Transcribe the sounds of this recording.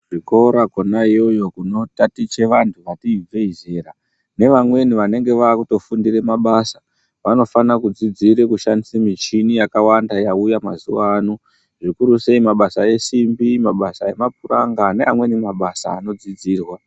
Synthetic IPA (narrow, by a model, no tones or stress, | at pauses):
ʐiko̞ɾakonaijo̞jo̞kuno̞tatit͡ʃe̞ʋantʰuʋatiːb͡ve̞ize̞ːra | ne̞ʋamwe̞niʋane̞ŋɡe̞ʋaːkuto̞fundire̞maɓasa | ʋano̞fanakud͡zid͡ziɾekuʃandisemit͡ʃinijakawandajaujamazuʋaːno | ʐikuɾuse̞imaɓasae̞simbimaɓasae̞mapuraŋɡane̞amwe̞nimaɓasa̰ːno̞d͡zid͡ziːrwa